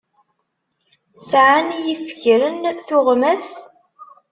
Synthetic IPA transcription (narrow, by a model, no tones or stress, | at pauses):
sʕanjifçɾənθʊʁmæs